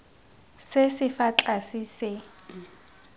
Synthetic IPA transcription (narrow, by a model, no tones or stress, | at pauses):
sesɪfat͡ɬʼasiːsɪ